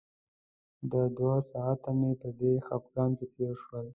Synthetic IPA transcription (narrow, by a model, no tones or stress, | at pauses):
d̪əd̪wasɑat̪amepəd̪exapɡɑnt̪et̪eɾʃwəl